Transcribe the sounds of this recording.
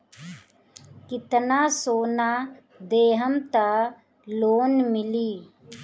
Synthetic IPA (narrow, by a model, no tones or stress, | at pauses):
kɪt̪nasoːnaː | d̪eːɦəmt̪a | loːnmɪliː